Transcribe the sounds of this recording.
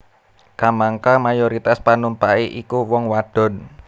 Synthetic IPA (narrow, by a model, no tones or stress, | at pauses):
kamaŋkamajoɾit̪aspanumpaiʔikuwɔŋwaɖ̥ɔ̤n